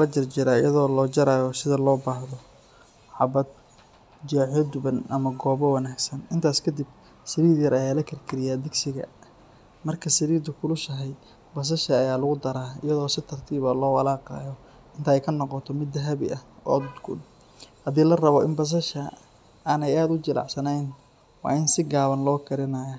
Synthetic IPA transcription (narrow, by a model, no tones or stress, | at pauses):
lɐt͡ʃɐrt͡ʃɪɾaːɪjɐðɔːlɔːd͡ʒɐɾaːjɔsɪðɐlɔːbaːhðɔ | ħɑbɐd̪ | d͡ʒaːʕjɔd̪ʊβɐnɐmɐɡɔːβɔwɑnaːɡsɐnɪnt̪ʰaːskʰɐd̪ib̚ | sɐɾiːd̪jɐɾɐjaːlɐkʰɐrkʰɪɾɪjaːd̪ɪɡsɪɣɐ̰ | mɐrkʰɐsɐɾiːd̪ʊkʰʊlʊʃɐɦɛj | bɐs̬ɐʃɐːjaːlʊɣʊd̪ɐɾaːɪ̰jɐðɔːsɪt̪ʰɐrt̪ʰiːβɐlɔːwɑlaːqɑ̰ːjɔ | ɪnt̪ʰɐɛjkʰɐnɔqɔt̪ʰɔmɪd̪ːɐɦɐβɪ̰ʔɐɔ̰ːd̪ɡʊ̰d̪ | hɐdiːlɐrɐβɔʔɪnbɐs̬ɐʃɐ | aːnɛjaːd̪ʊt͡ʃɪlʔɑ̰ʕsɐnɛjn | wɑ̰ːɪnsɪɡaːβɐnlɔːkʰɐɾɪnɐjɐ